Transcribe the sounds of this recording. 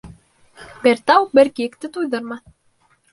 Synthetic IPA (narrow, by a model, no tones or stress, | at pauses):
beɾt̪ɑwbɘ̆ɾkiɘ̆kt̪ɘt̪ujðɤ̆ɾmɑ